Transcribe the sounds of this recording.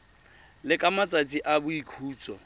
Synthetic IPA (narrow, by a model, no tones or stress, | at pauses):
lɪkʼamat͡sʼat͡sʼiʔabʊikʰuːt͡sʼɔ